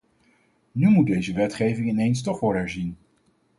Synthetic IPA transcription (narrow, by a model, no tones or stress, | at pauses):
nymud̚dejzəʋɛtχejvɪŋɪnejns̬tɔχʋɔɹdɦɛɹzin